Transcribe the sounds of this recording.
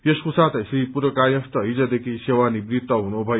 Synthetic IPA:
jeskusat̪ʌsipuɾʌkajʌ̃st̪ʌɦid͡zʌd̪ekʰisewanibrit̪ːʌɦunubʱʌj

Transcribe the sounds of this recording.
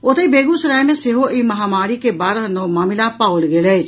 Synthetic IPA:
ot̪eibeːɡũsɐɾaːjmẽseɦoʔiːmɐɦaːmaːɾikebaːɾɦnoːmaːmɪlãpaːolɡeled͡ʒ

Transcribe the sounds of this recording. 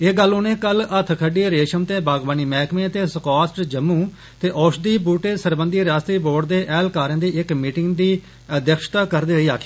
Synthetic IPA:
eːɡəlʊnẽːkələt̪ʰkʰəɖiːɾeːʃəmt̪eːbaːɡbaːniːmɛːkʰmẽːət̪eːsəkaːsʈd͡ʒəmːũː | t̪eːʔɔːʃd̪iːbuːʈeːsəɾbənd̪iːɾaːst̪ɾiːboːɖd̪eːʔɛːlkaːɾə̃ːd̪iːɪkmiːʈɪŋɡd̪iː | əd̪jəkʃt̪aːkəɾd̪iːɾəiːaːkʰiː

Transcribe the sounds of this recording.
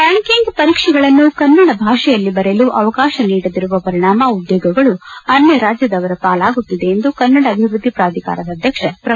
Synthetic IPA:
pjaːɳkiŋɡpɐɾiːkʂɛɡɐɭɐnːukɐnːɐɽɐbʱaːʂɛjɐlːibɐɾeluʔɐʋɐkaːʃɐniːɽɐd̪iɾuʋɐpɐɾiɳaːmɐud̪joːɡɐɡɐɭuɐnjɐɾaːd͡ʒjɐd̪ɐʋɐɾɐpaːlaːɡut̪ːid̪e̞ːnd̪ukɐnːɐɽɐːbʱiʋɾud̪ʱːipɾaːd̪ʱika̰ːɾɐd̪ɐd̪ʱjɐkʂɐpɾɐ

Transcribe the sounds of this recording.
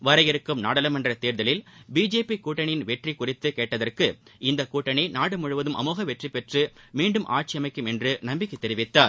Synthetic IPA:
ʋɐɾɐjɪɾɯkːɯmnaːɽɐlɐmɐndrɐt̪eːɾðɐlɪlbiːd͡ʒeːpikuːʈːɐɳɪnʋɛʈrikʊrɪt̪ːɯkeːʈːɐðɐrkɯʔɪnd̪ɐkuːʈːɐɳinaːɽɯmʊɻɯʋɐðɯmʔɐ̰muːɣɐʋɛʈripɛʈrɯmiːɳɖɯmʔa̰ːɾ̚t͡ʃɪjɐmɐɪkːɯmɛndrɯnɐmbɪkːɪt̪ːɛɾɪʋɪt̪ːaːɾ

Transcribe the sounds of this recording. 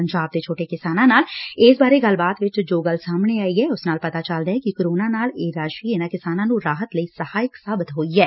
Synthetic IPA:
əɲd͡ʒaːb̚d̪eːt͡ʃʰoːʈeːkɪsaːnãːnaːlɪːsbaːɾeːɡəlbaːt̪ʋɪt͡ʃd͡ʒoːɡəlsaːmɳeaːiɛːʊsnaːlpət̪aːt͡ʃəld̪aɦɛːkɪkoɾoːnãːnaːleːɾaːʃiːɪnãːkɪsaːnãːnũːɾaːɦət̪ləiːsəhaːɪksaːbɪt̪ɦoːiɛː

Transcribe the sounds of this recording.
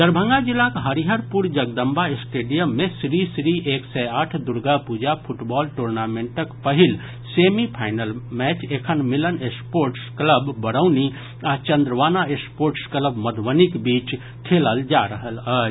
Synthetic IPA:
d̪əɾbʱə̃ŋɡad͡ʒilːakɦəɾiɦəɾpuɾd͡ʒəɡ̚d̪əmbʱaɪsʈeːɖijəmːẽsɾisɾiʔeːksɛaʈʰd̪uɾɡapuːd͡ʒapʰuʈbɔːlʈoɾnamẽɳʈəkpəɦil | seːmipʰaːɪnəlmɛːt͡ʃekʰənmilənespoːɾʈskləbːəɽəʊni | at͡ʃə̃nd̪ɾəʋaːnaespoːɾʈskləbməd̪ʋənikbiːt͡ʃ | ʈ̪ʰeləld͡ʒaɾəɦələː

